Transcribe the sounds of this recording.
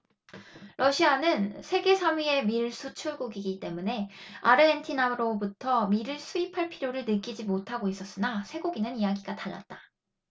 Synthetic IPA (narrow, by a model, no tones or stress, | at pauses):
ɾʌɕʰianɯnsʰe̞ɡe̞sʰamɥie̞miɾɭs͈ʰut͡ɕʰuɭɡuɡiɡit͈e̞mune̞aɾɯentʰinaɾobutʰʌmiɾɯɭsʰuipʰaɭpʰiɾjoɾɯɭnɯk͈id͡ʑimotʰaɡois͈ʌs͈ɯnasʰe̞ɡoɡinɯnijaɡiɡataɭːa̰t̚t͈ḁ